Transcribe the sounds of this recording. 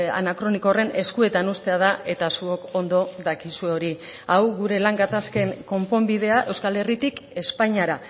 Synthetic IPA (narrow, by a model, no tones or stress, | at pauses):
a̰nakɾo̞nikore̞ne̞skue̞t̪anust̪e̞að̞ae̞t̪asuo̞ko̞nd̪o̞ðakisue̞o̞ɾi | awɣuɾe̞laŋɡat̪aske̞ŋko̞mpo̞mbið̞e̞aʔe̞wskale̞rit̪ike̞spaɲaɾa